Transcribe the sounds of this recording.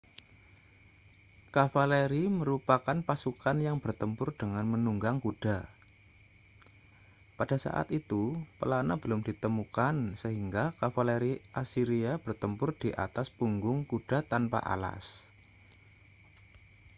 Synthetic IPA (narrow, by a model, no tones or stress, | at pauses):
kafaleɾiməɾupakanpasukanjaŋb̥ərt̪əmpʊrdəŋanmənuŋɡaŋkud̥a | pada̤sa̰ʔa̰t̪it̪upəlanabəlʊmd̥it̪əmukansəɦiŋɡakafaleɾiʔasiɾiab̥ərt̪əmpʊrd̥iʔa̰t̪aspuŋɡʊŋkud̥a̤t̪anpa̰ʔa̰la̰s